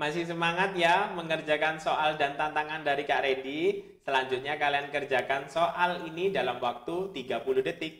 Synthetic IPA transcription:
masɪhs̬əmaŋat̪̚jaməŋərd͡ʒakansoʔaldant̪ant̪aŋandaɾikaʔɾedi | səlaɲd͡ʒʊt̪̚ɲakaliankərd͡ʒakansoʔalinidalamwak̚t̪ut̪iɡapuluhdət̪ɪk̚

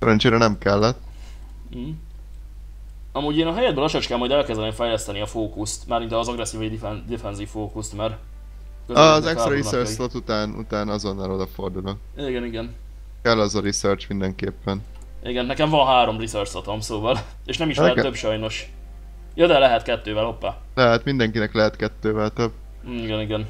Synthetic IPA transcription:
sɛɾɛnt͡ʃeːɾɛnɛmkɛlːɛt̪̩ː | ɦ̩ | ɒmuːɟeːnɒɦɛjɛd̪bøːlɒʃɒt͡ʃkɛlmhɒjd̪ɛlkɛzd̪ɛneːɱfɛjlɛst̪ɛniɒfoːkust̪maːɾmint̪ɒːzɒɡrɛsːiːvɔd̪iɛnd̪ifɛnziffoːkust̪mar | køɒzɛkst̪ɾɾiøːrslot̪ut̪aːnṵt̪aːnɒzo̞nːalod̪ɒfo̞rd̪ulo | iːɡɛniɡɛn | kɛlːɛzɒɾisøːrt͡ʃmind̪ɛŋkeːpːɛn | iɡɛnːɛkɛɱvɒnɦaːɾo̞mrisørt͡ʃsot̪omsoːvɒl | eːʃnɛmiʃɛt̪øbʃɒjno̞ʃ | jod̪ɛlɛɦɛt̪kɛt̪ːøːvɛlopːaː | lɛɦɛt̪mind̪ɛŋkinɛklɛɦɛt̪kɛt̪ːøːvɛlt̪øbː | iɡɛniɡɛn

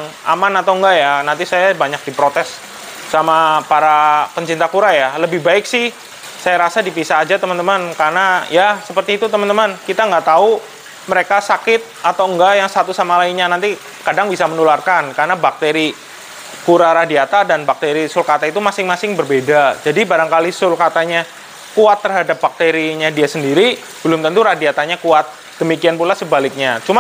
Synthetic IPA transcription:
ŋ | a̰manat̪awŋɡajanant̪̬isajabaɲak̚dipɾot̪ɛsː | amapaɾapəɲt͡ʃint̪akuɾajaləbɪhbaɪksɪh | sajaɾasadipisaːd͡ʒat̪əmənt̪əmankarnajasəpərt̪iːt̪ut̪əmənt̪əmankit̪aŋɡaʔt̪au | məɾekasakɪt̪̚at̪awŋɡajaŋsat̪usamalainɲanant̪i | kadaŋbisamənularkankaɾənabak̚t̪eɾi | kuɾaɾadiat̪adanbak̚t̪eɾisʊlkat̪ait̪umasɪŋmasɪŋbərbedad͡ʒadibaɾaŋkalisʊlkat̪aɲa | kuat̪ːərɦadap̚bak̚t̪eɾiɲadiasəndiɾi | b̥əlʊmt̪ənt̪uɾadiat̪aɲakuat̪̚ | d̥əmikianpulasəbalɪk̚ɲat͡ʃuma

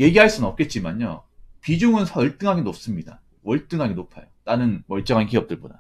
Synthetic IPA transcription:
je̞ɡiɦaɭs͈ɯnnʌp̚k͈e̞t̚t͡ɕ͈imaɲjo̰pid͡ʑoŋɯnsʰʌɯɭt͈ɯŋɦaɡenop̚s͈ɯmɲida̰ | ʌɭt͈ɯŋɦaɡenopʰajonanɯnmʌɭt͡ɕ͈ʌŋankiʌp̚t͈ɯɭboda

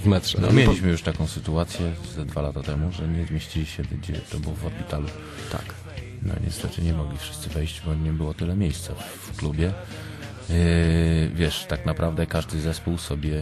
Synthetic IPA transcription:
vmɛtʂɛnɔ̰mʲjeliɕmɘjuʂt̪akɔ̃w̃sɘt̪uat̪sʲjɛzad̪valat̪at̪ɛmuʐɛɲɛzmʲeɕt͡ɕilʲiɕɛd̪ɡd͡ʑɛt̪ɔbɘwɔvɔɾpʲit̪alu | t̪a̰k | nɔ̰ɲʔɛ̰st̪ɛt̪ɘɲɛmɔɡlʲifʂɘst̪sɘvɛjʑd͡ʑbɔɲɛbɘwɔt̪ɘlɛmʲjejst̪saf | klubʲjɛ | vʲjɛʂt̪aknapɾʔavd̪ɛkaʐd̪ɘzɛspuwsɔbʲjɛ

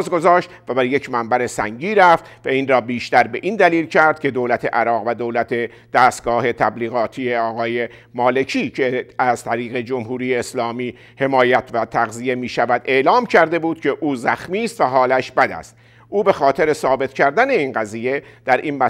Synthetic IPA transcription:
zɡo̞zɒːʃt̪væbæɾje̞cʰmæmbæɾe̞sæ̰ŋɟiːɾæft̪væiːnrɒːbiːʃt̪æɾbe̞ʔind̪æliːlcʰæɾd̪̚kʰe̞d̪oːlæt̪ʰe̞̰ʔæɾɒːɣvæd̪oːlæt̪ʰe̞ | d̪̥æːst̪̚ɡ̥ɒːhe̞t̪ʰæbliːɣɒːt̪ʰiːeɒːɣɒːje̞ | mɒːle̞cʰiːcʰeæzt̪ʰæɾiːɣe̞d͡ʒomhuːɾijeːslɒːmiː | he̞mɒːjæt̪ʰvæt̪ʰæɣzije̞miːʃævæd̪e̞ʔlɒːmcʰæɾd̪e̞buːd̪̥cʰeʔuːzæxmiːst̪væɦɒːlæʃbæd̪æ̰st̪ | ʔuːbe̞xɒːt̪ʰeɾesɒːbe̞t̪ʰcʰæɾd̪æne̞iːnɢæziːje̞d̪̥æɾʔiːnmæ

